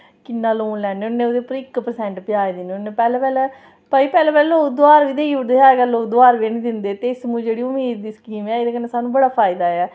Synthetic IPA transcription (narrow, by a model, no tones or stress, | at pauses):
kɪnːaːloːnlɛːneːʊnːeːoːd̪eːpəɾɪkːpəɾsɛ̃ɳʈpɪjaːed̪ɪneːʊnːeːpɛːlɛ̃ːpɛːlɛː | pəiːpɛːlɛːpɛːld̪ʊaːɾʋiːd̪eːiʊd̪eːɦaːɾkəloːd̪ʊaːɾʋeːnĩːd̪ɪnd̪eːt̪eɪsmũːd͡ʒeːɽiːʊmiːd̪ːiːskiːmɛːeːd̪eːkənːeːsaːnũːbəɽaːpʰaːɪd̪aːɛː